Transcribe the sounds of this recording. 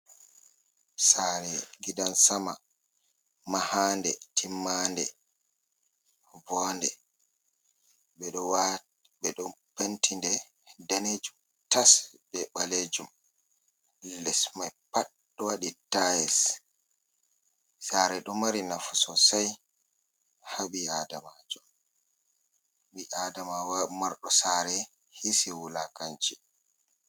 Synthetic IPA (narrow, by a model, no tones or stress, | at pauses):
saɾɛɡidansama | mahaːndɛtʰimːandɛ | vɔndɛ | ɓɛɗɔwa | ɓɛɗɔpentʰindɛ | daned͡ʒum | tasɓɛɓaled͡ʒum | lɛsmajpaɗ | ɔwaɗitajɛs | saɾɛɗɔmaɾinafu̥sɔsaj | haɓiadamad͡ʒɔ | ɓiʔaːdamawamaɾɗɔsaːɾɛ | hisiwulakant͡ʃi